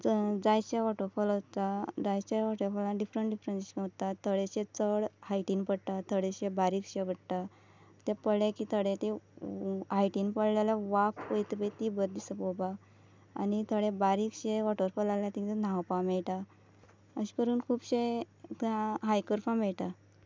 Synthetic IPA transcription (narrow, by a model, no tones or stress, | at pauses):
d͡zajt͡ɕeʋɔʈəɾfɔlt̪ad͡zajt͡ɕeʋɔʈəɾfɔlãɖifɾəɳʈɖifɾənɕkːt̪at̪ʰəɽeɕet͡səɽhajʈinpəɽʈ̪at̪ʰəɽeɕebaɾiːkɕepəɽʈ̪a | t̪epəɭekit̪ʰəɽet̪e | ɦajʈinpəɽlalaʋakəjt̪pet̪ibət̪̚d̪isəpoba | a̰nit̪ʰəɽebaɾikɕeʋɔʈəɾfɔlalat̪ĩt̪enãwpamɛɭʈa | əɕi̥kəɾuːnkʰuːbɕe | t̪ãɦajkəɾfãmɛɭʈa